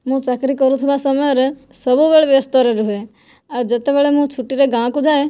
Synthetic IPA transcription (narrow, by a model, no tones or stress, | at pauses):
mũt͡ʃəkɾikəɾũt̪ʰiʋasəməɾesəbubeɭʋest̪ɔɾeɾuɦe | ad͡ʒət̪ebeɭemũt͡ʃʰuʈːiɾeɡãːkũd͡ʒaːe